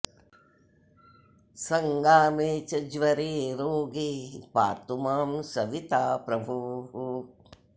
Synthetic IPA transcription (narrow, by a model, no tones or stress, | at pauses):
sɐŋɡaːmeːt͡ʃɐd͡ʒʋɐɾeːɾoːɡiːpa̰ːt̪umaːmsɐʋit̪aːpɾɐbʱuɦu